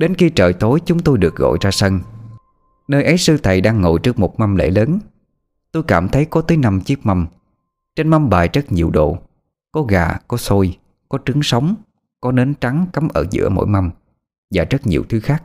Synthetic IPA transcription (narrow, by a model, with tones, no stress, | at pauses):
ɗe˨˦nxi˧t͡ɕəː˨˩jt̪o˨˦jt͡ɕʊ˨˦ŋ͡mt̪o˧jɗɨ˨˩ək̚ɣo̰˧˨jzaː˧sə˧n | nəː˧jʔə˨˦jsɨ˧t̪ʰə˨˩jɗaː˧ŋːo̰˧˨jt͡ɕɨ˦˥ək̚mo˨˩t̚ma˧mlḛ˧˥ləː˨˦n | t̪o˧jkaː˧˩mt̪ʰə˨˦jkɔ˨˦t̪əː˨˦jna˧mt͡ɕi˦˥ək̚ma˧m | t͡ɕe˧nma˧mɓaː˨˩jzə˦˥t̚ɲi˨˩əwɗo̰˧˨ | kɔ˨˦ɣa̰ː˨˩kɔ˨˦so˧j | kɔ˨˦t͡ɕɨ˨˦ŋsə˨˦wŋ͡m | kɔ˨˦ne˨˦nt͡ɕa˨˦ŋka˨˦mʔəː˧˩zɨ̰˧˥əmo̰˧˥˨jma˧m | vaː˨˩zə˦˥t̚ɲi˨˩əwt̪ʰɨ˨˦xaː˦˥k̚